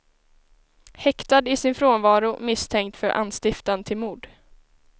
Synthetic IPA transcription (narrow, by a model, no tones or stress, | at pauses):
hɛkt̪ad̪ɪsɪnfɾoːnvɑːɾʊmɪst̪ʰɛŋk̚t̪fœɾʔa̰nːst̪ɪft̪ant̪ʰɪlmuːɖ̪